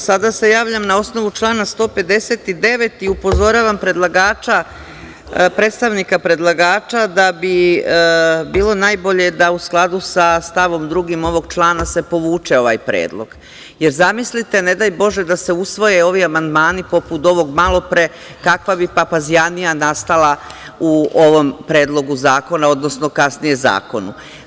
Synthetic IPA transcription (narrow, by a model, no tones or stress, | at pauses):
sad̪ase̞jaːʋʎamnao̞sno̞ʋut͡ʃlˠaːnast̪o̞ːpe̞d̪e̞se̞t̪id̪e̞ʋe̞t̪iupo̞zo̞ɾaːʋampɾe̞d̪lˠaɡaːt͡ʃa | pɾet̪st̪aʋnikapɾe̞d̪lˠaɡaːt͡ʃad̪abi | biːlˠo̞naːjbo̞ʎe̞d̪ausklˠad̪usast̪aʋo̞md̪ɾuɡimo̞ʋo̞ɡt͡ʃlˠaːnase̞po̞ʋuːt͡ʃe̞o̞ʋa̰jpɾḛːd̪lˠo̞̰ɡ̥ | je̞ɾzamislit̪e̞ne̞d̪ajbo̞ʒe̞d̪ase̞usʋo̞jeo̞ʋiamand̪maːnipo̞put̪o̞ʋo̞ɡmalˠo̞pɾe | kakʋabipapazijanijanast̪ala | uo̞ʋo̞mpɾe̞ːd̪lˠo̞ɡuzaːko̞nao̞d̪no̞sno̞kasnije̞za̰ːko̞nu